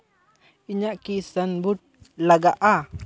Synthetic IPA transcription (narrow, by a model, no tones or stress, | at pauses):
iɲaʔkisənbut̪̚laɡaʔa